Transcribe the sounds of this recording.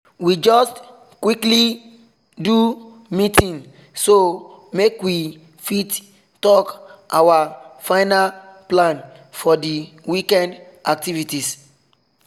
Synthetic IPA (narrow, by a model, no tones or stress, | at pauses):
wid͡ʒɔst | kwikli | du | mitʰĩŋ | so | mekwi | fit | tɔkʔawafãɪnalplãn | fɔdi | wikɛ̃nd | ak̚tivitis